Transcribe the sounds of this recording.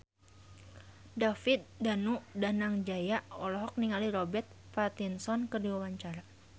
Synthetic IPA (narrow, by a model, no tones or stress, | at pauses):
dafit̪̚danudanaŋd͡ʒajaɔlɔɦɔk̚niŋaliɾɔbɛrt̪̚ | fat̪insɔnkərdiwawaɲt͡ʃaɾa